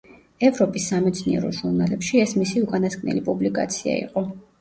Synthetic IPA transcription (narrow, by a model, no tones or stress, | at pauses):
ɛvɾɔpʼisːamɛt̪sʰniɛ̰ɾɔ̰ʒuɾnalɛpʃiɛsmisiukʼanaskʼnɛ̰lipʼublikʼa̰t̪sʰia̰ḭqʼɔ